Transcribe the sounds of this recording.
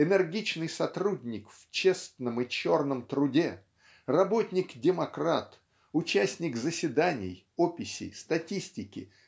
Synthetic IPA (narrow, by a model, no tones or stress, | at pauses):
ɪnɨrɡʲit͡ɕnɨjsɐt̪ɾudʲnʲɪkft͡ɕe̞st̪nəmɨt͡ɕo̞rnəmt̪ɾʊdʲe | rɐbo̞tʲnʲɪkdʲɪmɐkɾat̪ | ʊt͡ɕæsʲnʲɪkzəsʲɪd̪anʲɪ̰j | opʲːɪsʲɪ̰jst̪ɐtʲisʲtʲɪkʲɪ̰